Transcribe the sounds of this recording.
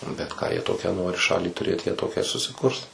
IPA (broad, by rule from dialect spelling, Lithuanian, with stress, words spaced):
nʊ bʲɛt kɑː jiɛ ˈtoːkʲæː ˈnoːrʲɪ ˈʃɑːlʲiː tʊˈrʲeːt ˈjiɛ ˈtoːkʲæː ɪr sʊsʲɪˈkʊrs